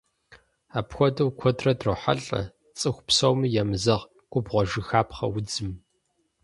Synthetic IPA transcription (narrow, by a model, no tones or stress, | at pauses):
aːpxʷɔdɐwkʷʰɔtʰrɐdrɨħa̰ɬʼɐ̰ | t͡sʼɨxʷpsɐwmɨjɛmɨzɐʁ | ɡ̥ʷʼʊbʁʷɔʒɨxaːpχɐ̰wʊd͡zɨm